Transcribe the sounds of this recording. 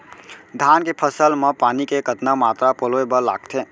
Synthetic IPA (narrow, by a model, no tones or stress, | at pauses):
d̪ʱankepʰəsəlmepaːnikeɡət̪namat̪ɾapoloebəla̰ːɡt̪ʰe